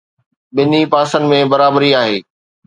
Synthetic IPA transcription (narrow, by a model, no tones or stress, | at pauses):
bɪnipaːsənɪmẽbɐɾaːbəɾiaːɦeː